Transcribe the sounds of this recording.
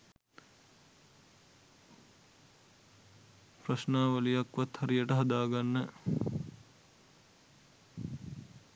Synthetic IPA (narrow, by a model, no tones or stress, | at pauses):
prɐsnaːʋəlijakʋat̪hɐɾijəʈəɦɐd̪aːɡanːə